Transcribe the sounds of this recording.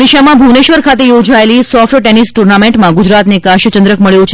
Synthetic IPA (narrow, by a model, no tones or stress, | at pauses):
iʃamãbʱuneʃʋəɾkʰat̪ejod͡ʒaelisɔfʈʈenisʈuɾnameɳʈmãɡud͡ʒɾat̪nekaʃət͡ʃənd̪ɾəkməɭjũt͡ʃʰ